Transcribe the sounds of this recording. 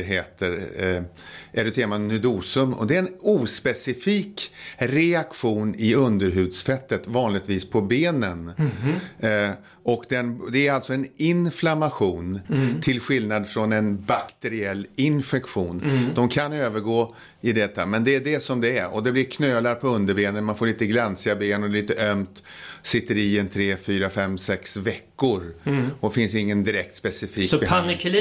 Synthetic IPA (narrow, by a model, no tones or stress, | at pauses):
ɦeːt̪əɾ | ʔɛɾɵt̪ʰeːmanɵd̪uːsɵmɔ̰d̪ɛɛnuːspɛsɪfiːkɾɛakɧuːnɪɵnd̪əɾɦʉ̟ːd̪sfɛt̪ːət̪vɑːnlɪɡt̪viːspʰɔbeːnən | ɔkd̪ɛnd̪ɛæɾalt̪sɔɛnɪnflamaɧuːnt̪ʰɪlɧɪlnad̪fɾɔnɛnbakt̪ɛɾɪɛlːɪnfɛkɧuːnd̪ɔmkʰanøːvəɾɡoː | ɪd̪ɛt̪ːamɛnd̪ɛæɖɛsɔmd̪ɛæɾɔ̰d̪ɛblɪɾkʰnøːlaɾpʰɔɵnd̪əɾbeːnənmanfoːɭiːt̪əɡlansɪabeːnɔɛliːt̪əʔœmt̪sɪt̪ːəɾɪɛnt̪ʰɾeːfyːɾafɛmːsɛksvɛkːʊɾɔfɪnsɪŋːənd̪ɪɾɛk̚t̪spɛsɪfiːpʰanɪkʰl